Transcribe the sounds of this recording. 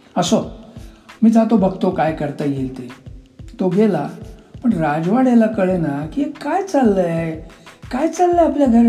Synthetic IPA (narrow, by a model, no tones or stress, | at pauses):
əso | miːd͡z̪ʱat̪obəɡt̪okajkəɾt̪əjelt̪et̪oɡelapəɳɾad͡zʋaɽelakəɭenakiekajt͡salːəekajt͡salːəapljaɡʱəɾ